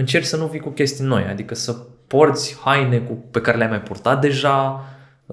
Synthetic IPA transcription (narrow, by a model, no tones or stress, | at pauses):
ɨnt͡ʃe̞rksənuvikukʲe̞st̪ino̞̰ja̰d̪ikəsəpo̞rt̪sʲhajne̞kupe̞kaɾe̞leajmajpurt̪at̪̚d̪e̞ʒa